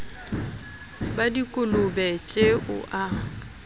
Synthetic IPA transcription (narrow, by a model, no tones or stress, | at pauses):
badikʼʊlʊbɛt͡ʃʼeʔʊ̰ʔa